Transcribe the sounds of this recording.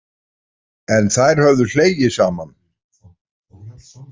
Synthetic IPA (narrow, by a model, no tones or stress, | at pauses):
ɛnθaðɾ̥hœvðʏ̥l̥eːjjɪsaːman